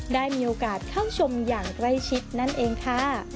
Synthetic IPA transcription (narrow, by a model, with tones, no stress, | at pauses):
daː˥˩jmiː˧ʔoː˧kaː˨˩t̪̚kʰaː˥˩wt͡ɕʰo˧mjaː˨˩ŋkɾa˥˩jt͡ɕʰi˦˥t̪̚na˥˩nʔeː˧ŋkʰa˥˩